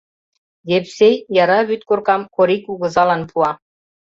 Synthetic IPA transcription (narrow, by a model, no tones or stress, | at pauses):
jepsejjɑɾɑβyt̪korkɑmkoɾikuɣɤ̆zɑlɑnpʰuɑ